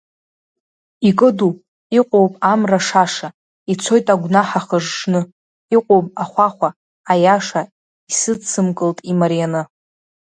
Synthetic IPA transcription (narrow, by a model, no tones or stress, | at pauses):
ikʼɨdu | iqʷʼo̞wpʼamraʂaʂa | it͡sʷʰo̞jtʼaɡʷnaħaχəʐʂnɨ | iqʷʼowpʼaχʷaχʷaː | jaʂa | isɨt͡sʰɨmkʼɨltʼimaɾijanɨ